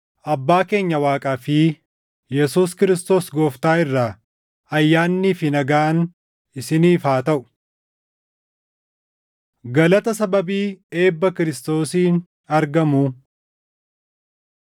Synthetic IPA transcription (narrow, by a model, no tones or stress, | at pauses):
ʔɐbːaːke̞ːɲːɐwaːkʼaːfɪ | jɛsuːskɪɾɪst̪o̞ːsɡo̞ːft̪aːɪrːaː | ɐjːaːnːiːfɪnɐɡaːn | ɪsɪniːfaːt̪ɐʔʊ̥ | ɡɐlɐt̪ɐsɐbɐbiːe̞ːbːɐkɪɾɪst̪o̞ːsiːn | ɐɾɡɐmuː